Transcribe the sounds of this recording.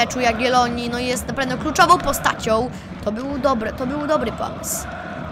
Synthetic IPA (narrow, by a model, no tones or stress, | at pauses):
ɛt͡ʂujaɡɡʲɛlɔɲinɔjɛst̪napɾavnɛklut͡ʂɔvɔ̃w̃pɔst̪a̰t͡ɕɔ̃w̃ | t̪ɔbɘwd̪ɔbɾɛt̪ɔbɘwd̪ɔbɾɘpɔ̰mɘ̰s